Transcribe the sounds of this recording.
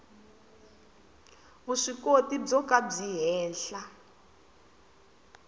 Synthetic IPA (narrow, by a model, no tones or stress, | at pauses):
βuʂikotib͡ʐɔkab͡ʐiɦɛːnɬa